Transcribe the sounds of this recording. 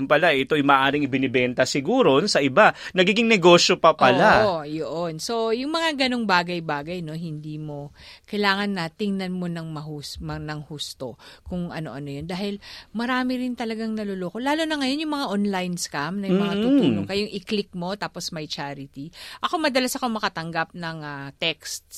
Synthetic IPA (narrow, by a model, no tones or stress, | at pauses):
mpɐlaɛt̪o̞ʔɐjmɐːʔaːɾɪŋɪbɪnɪbɛnt̪ɐsɪɡuːɾonsɐʔɪba | nɐɡiːɡɪŋnɛɡo̞ːʃjo̞pɐpʔɐlajoʔonso̞jʊŋmɐŋaɡɐnoŋbaːɡɐjbaːɡɐjno̞ɦɪnd̪iːmo̞kɐjlaːŋɐnːɐt̪ɪŋnɐnmo̞nɐŋmɐhuːsmɐnɐŋhust̪okʊŋʔɐ̰no̞̰ʔɐno̞jo̞nd̪aːhɪlmɐɾaːmɪɾɪnt̪ɐlɐɡaŋnɐloloːko̞laːlonɐŋɐjo̞njʊŋmɐŋaʔonlajnskamnɐjʊŋmɐŋat̪ʊunoŋkɐjoŋʔɪklɪk̚mo̞t̪aːpo̞smɐjt͡ʃaːɾɪt̪iʔɐko̞mɐd̪ɐlasɐkomɐkɐt̪ɐŋɡap̚nɐŋat̪ɛkst̪